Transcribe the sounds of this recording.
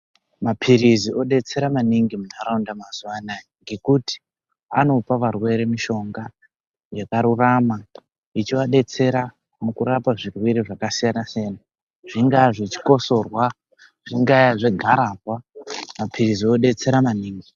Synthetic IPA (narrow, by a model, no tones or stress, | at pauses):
mapʰiɾiziʔo̞ɗe̞t͡se̞ɾamaniŋɡimunaɾaundamazuwanaŋɡe̞kuti̥ | a̰no̞paʋarwe̞ɾemiʃo̞ŋɡa | jakaɾurama | it͡ʃiʋaɗe̞t͡se̞ɾa | mukuɾapaʐirwiɾiʐakasijanasijana | ʐ̥iŋɡaʐet͡ʃi̥ko̞so̞rwa | ʐ̥iŋɡajaʐeɡʱaɾaːbwamapʰirizio̞ɗe̞t͡se̞ɾamaniːŋɡi